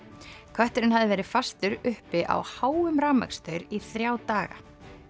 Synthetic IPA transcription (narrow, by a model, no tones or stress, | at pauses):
kʰvɛht̪ʏɾɪnhaðɪvɛːɾɪ̥fast̪ʏɾʏhpɪʔa̰whaːwʏmɾaːma̰kst̪œɥɾiθɾjaːwt̪aːɣa̰